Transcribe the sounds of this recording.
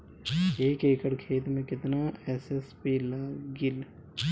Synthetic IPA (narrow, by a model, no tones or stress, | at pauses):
eːkeːkəɽkʰeːt̪mẽkɪt̪naɛːsespiːlaːɡɪl